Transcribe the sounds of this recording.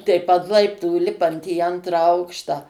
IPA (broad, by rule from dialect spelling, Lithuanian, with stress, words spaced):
tʲɛɪp ɐnt ˈlˠɐɪptuː ˈlʲɪpɐnt iː ˈɐntrɑː ˈɐʊkʃtɑː